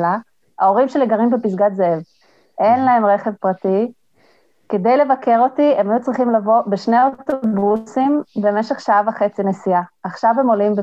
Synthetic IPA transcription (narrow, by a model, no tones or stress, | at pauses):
la | ao̞ʁimʃeleɡaʁimbepisɡatzeev | ʔe̞nlaɦe̞mʁe̞χe̞vpʁati | ke̞dejle̞vake̞ʁo̞tie̞majut͡sʁiχimlavo̞beʃneotobusimbe̞me̞ʃeχʃaavaχe̞t͡sinesiaaχʃavhe̞mo̞limbe